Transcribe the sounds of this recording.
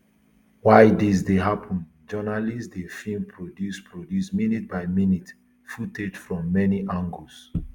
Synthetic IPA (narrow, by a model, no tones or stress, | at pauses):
waɪdis̬deɦapʰə̃n | d͡ʒɜnalisdefĩmpʰɹɔdjuspʰɹɔdjusminit̚baɪminit | futed͡ʒfɹɔ̃mːɛniʔãŋɡuls